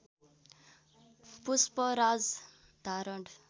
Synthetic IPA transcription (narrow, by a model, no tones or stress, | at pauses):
puspɔɾad͡z | d̪̥ʱaɾəɳɖ